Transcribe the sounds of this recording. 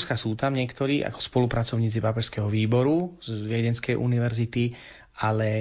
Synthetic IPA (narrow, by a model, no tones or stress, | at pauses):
skasuːt̪amɲɪɛkt̪ɔɾiːʔa̰kɔ̥spɔlupɾat͡sɔʊɲiːt͡sipapɛʃskɛɦɔʋiːbɔɾuzʋjɛɟɛnskɛjʔṵniʋɛɾzit̪i | ʔalɛ